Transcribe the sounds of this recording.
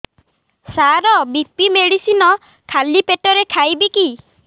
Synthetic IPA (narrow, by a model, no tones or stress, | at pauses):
saɾɔbipimeɽisinɔ | kʰalipeʈɔɾekʰajbiki